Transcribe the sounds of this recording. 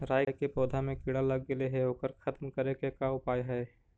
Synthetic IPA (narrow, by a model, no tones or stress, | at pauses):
ɾaːjjkepɔːd̪ʱamẽkɪɽaləɡːɪleɦɛoːkəɾkʰɐt̪mkəɾekekaʊpaːjɦɛː